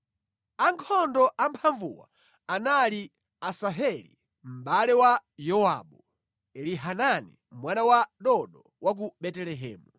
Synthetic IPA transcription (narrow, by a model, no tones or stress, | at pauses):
aŋkʰɔndɔʔampʰaɱvṵwa̰ | anali | asaɦɛlḭ | m̩ɓalɛwajɔwaɓu | ɛliɦananḭ | mwanawaɗɔɗɔ | wak̬uɓɛtɛlɛɦɛ̰ːmu